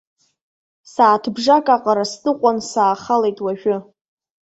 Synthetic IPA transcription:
saːtʰbʐakʼaqʼaɾastʼɨqʷʼansaːχalejtʼwaʒᶣʊ

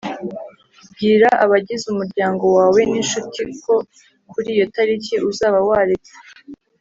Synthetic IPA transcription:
bɡiːɾaʔaβaɟizumuɾɟaːŋɡo̞waːwe̞ninʃutikʰo̞ | kuɾiːjo̞taɾiciʔuzaːβawaːɾet͡se̥

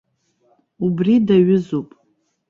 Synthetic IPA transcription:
ubridaɥʊzupʼ

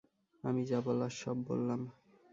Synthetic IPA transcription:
amid͡ʑabɔlaʃɔbːo̰lːam

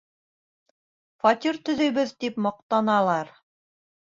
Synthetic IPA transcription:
fɑt̪ʲiɾt̪ɵ̆ðɘ̆jβbɘðt̪ipmɑq̚t̪ɑnɑlˠɑɾ

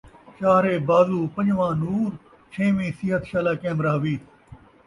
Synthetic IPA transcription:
t͡ʃaːɾeːbaːzuːpə̃ɲd͡ʒʋãːnuːɾ | t͡ʃʰẽːʋĩːsɪɦət̪ʰʃaːlaːkẽːmɾaːɦʋiːt̪ʰ

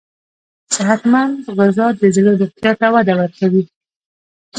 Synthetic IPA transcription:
sɪɦat̪mand̪ɣazɑd̪əzloɾʊqt̪jɑt̪awad̪awaɾkawi

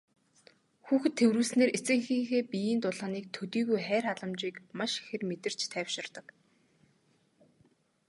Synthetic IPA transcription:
xuːxɘ̆t̪ʰːewɾuːɮsneːɾet͡sɘ̆ŋxiːŋxeːpijiːnt̪ʊɮaːniːk̚t̪ʰɵt̪iːɣujχæːrχaɮə̆mt͡ɕiːkmaʃxĕrmet̪ɘ̆r̥t͡ɕt̪ʰæːwʃɪ̆rt̪ə̆k

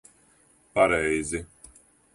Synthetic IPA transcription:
paɾɛjzɪ

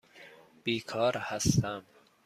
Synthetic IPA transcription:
b̥iːkʰɒːɾhæst̪æm

